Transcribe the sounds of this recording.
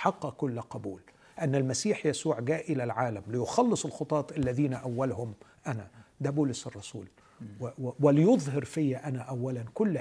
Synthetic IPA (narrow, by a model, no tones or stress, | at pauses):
ħɑqːɑkʊlːqɑbuːl | ʔanːalmæsiːħjasuːʕɡæːʔɪlalʕaːlamlɪjʊxɑlːɨsˤɪlxʊt̪ˤɑːt̪ˤʔalːæðiːnaʔawːalhʊmʔænad̪æbuːlʊsɑrˤːɑsuːl | wwɪlɪjʊðˤhɑɾfɪjːaʔanaʔawːalankʊlː